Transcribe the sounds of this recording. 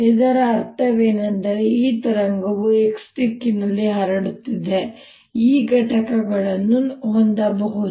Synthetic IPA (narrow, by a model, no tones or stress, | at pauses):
ed̪ɐɾɐːɾt̪ɐʋeːnɐnd̪ɐɾeiːt̪ɐɾɐŋɡɐʋueksʈikːinɐlːiɦɐɾɐɽut̪ːid̪e | iːɡɐʈɐkɐɡɐɭɐnːuɦond̪ɐbɐɦud̪